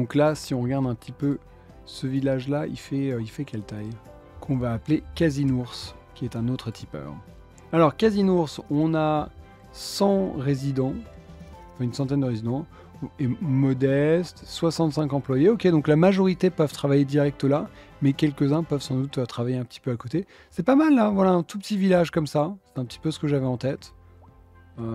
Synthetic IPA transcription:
d̪ɔ̃klasiɔ̃ʁəɡaʁd̪ɛ̃pət̪ipø | səvilaʒlaḭfɛøifɛkʲɛlt̪aj | kʰɔ̃vaːplekʲazinuʁskʲiɛt̪ɛ̃not̪χət̪ʰipœ̰ːʁ | alɔʁkazinuʁsɔ̃na | sɑ̃ʁezid̪ɑ̃ | ɑ̃fɛ̃ynsɑ̃t̪ɛnd̪əʁezid̪ɑ̃ | emɔd̪ɛst̪swasɑ̃t̪sɛ̃kɑ̃plwajeɔkʲed̪ɔ̃klamaʒɔʁit̪epœvt̪χavajed̪iʁɛk̚t̪əla | mɛkʲɛlkəzɛ̃pœvsɑ̃d̪ut̪øt̪χavajeɛ̃pə̥t̪i̥pøakot̪e | sɛpamalːavwalaɛ̃t̪upət̪ivilaʒkɔmsasɛ̥t̪ɛ̃pət̪i̥pøsə̥kəʒavɛɑ̃t̪ɛt̪ | ø

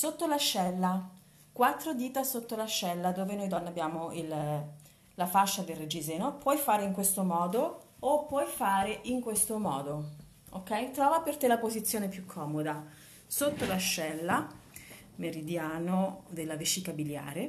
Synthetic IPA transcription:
sot̪ːolaʃːɛlːa | kwat̪ːɾod̪iːt̪asot̪ːolaʃːɛlːad̪oːvenojd̪ɔnːabːjaːmoil | lafaʃːad̪elrːed͡ʒizɛːnopwɔjfaːɾeiŋkwest̪omɔːd̪oː | pːwɔjfaːɾeʔiŋkwest̪omɔːd̪o | o̰kːɛjt̪ɾɔːvapert̪elapozit̪sːjoːnepjukʰːɔːmod̪a | sot̪ːolaʃːɛlːa | meɾid̪jaːnod̪elːavet͡ʃːikabilja̰ːɾe

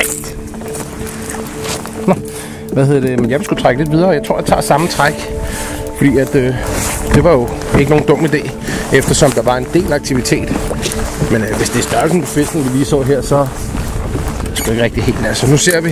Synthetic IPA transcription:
nɒ | ʋæhe̝ðˠɐd̥emenjɑ̈ʋiskɡ̥ut͡sʰʁaɡ̥əle̝d̥ʋið̞ˠɐɒjɑ̈t͡sʰʁo̝ɐ̰jät͡sʰɑ̰̈ːsɑ̈mət͡sʰʁaɡ̥ | fɒ̽d̥ḭːæd̥ød̥e̝ʋɑ̈jo̝e̝ɡəno̝ːn̩d̥ɔ̽m̰id̥ḛː | efd̥ɐsɒ̽md̥ɑ̈ʋɑ̈e̝nd̥e̝̰ːlæɑ̈ɡ̥̚t͡sʰiʋit͡sʰe̝̰ːd̥ | menʋe̝sd̥e̝sd̥ɶɐlsn̩pʰɒfel̰d̥n̩ʋilḭːsɒ̰ːɦeɐ̰sɒ̽ | sɡ̥ujeɡ̥ʁɛɡ̥d̥ihe̝̰ld̥nælsɒnuse̝ɐ̰ʋi

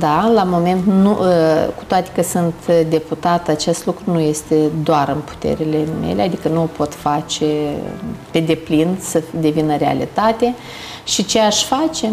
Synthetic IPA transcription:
d̪alamo̞me̞nt̪nṵku̥t̪oat̪e̥kəsɨnt̪d̪e̞put̪at̪at͡ʃe̞st̪lukɾunuje̞st̪e̞d̪oaɾɨnpu̥t̪ḛɾile̞mḛlead̪ikənuopo̞t̪fat͡ʃe̞ | pe̞d̪e̞plinsəd̪e̞vinəɾea̰lḭt̪at̪e̞ | ʃit͡ʃe̞aʃfat͡ʃe̞

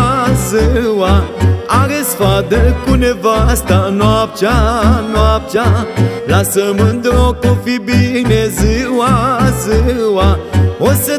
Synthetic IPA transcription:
zɨwaaɾesfad̪əkunevast̪anwap̚t͡ʃanwap̚t͡ʃalasəmənd̪okofibinezɨwazɨwaosə

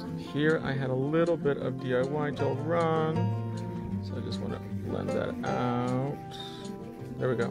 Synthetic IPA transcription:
hiɹʔa̰ɪɨɾəlɪɾl̩ˠbɪɾʌ̰vdiaɪwaɪtʰəɹʌ̃n | soʊaɪd͡ʒʌst̚wɑ̰̃nə̰̥lɛ̰̃nðɨ̰ɾaʊt̚ | ðə˞wiɡoʊ

